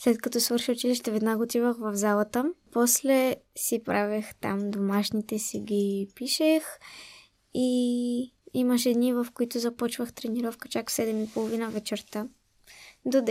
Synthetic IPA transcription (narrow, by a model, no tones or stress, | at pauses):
slɛt̪kɐt̪ɔsvɤɾʃiʊt͡ʃiliʃt̪ɛvɛd̪naɡoːt̪ivəxvɐvzalˠət̪əpɔslɛsipɾʔavɛxt̪a̰md̪omaʃnit̪ɛsiɡʲipiʃɛx | i | iməʃɛɛːd̪nivəfkoit̪ʊzɐpɔt͡ʃvəxt̪ɾɛniɾɔfkə̥t͡ʃaksɛd̪ɛmipolˠovinəvɛt͡ʃɛɾt̪a | d̪od̪ɛ